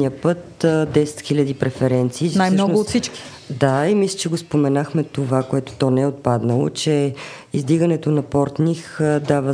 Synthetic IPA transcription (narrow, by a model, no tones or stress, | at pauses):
niəpɤt̪d̪ɛsɛ̥t̪xilʲɐd̪ipɾɛfɛɾɛnt̪siːsnajmnʃɔnooːt̪sit͡ʃkki̥ | d̪aimislʲɛt͡ʃɛɡospomɛnaxmɛt̪ovakoɛt̪o̥t̪ɔnɛɛot̪̚pad̪nəlˠo̰t͡ʃɛ | izd̪iɡənɛt̪onɐpɔɾt̪nixd̪avə